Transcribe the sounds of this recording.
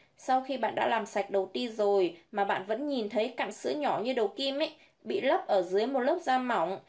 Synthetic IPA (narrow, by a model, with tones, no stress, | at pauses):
sa˧wxi˧ɓa̰ː˧˨nɗa̰ː˧˥laː˨˩msa˨˩jk̟̚ɗə˨˩wt̪i˧zo˨˩jmaː˨˩ɓa̰ː˧˨nvə̰˧˥nɲi˨˩nt̪ʰə˨˦jka˧˨ŋsɨ̰˧˥ɲɔ˧˩ɲɨ˧ɗə˨˩wki˧mʔe˦˥ | ɓḭ˧˨lə˦˥p̚ʔəː˧˩zɨ˨˦əjm˨˩t̚lə˦˥p̚zaː˧ma˨˧˩wŋ͡m